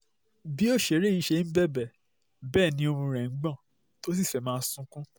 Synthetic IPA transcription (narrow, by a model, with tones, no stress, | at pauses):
bi˦o˦˨ʃe˨ɾe˦i˦˧˦ʃe˧˦n̩˦bɛ˦bɛ˨ | bɛː˦˨nĩ˧˦o˧mũ˧ɾɛ̃˨ŋ̩˦ɡ͡bɔ̃˦˨ | to˦s̬i˦˨fɛ˨mãː˦sũ˦kũ˦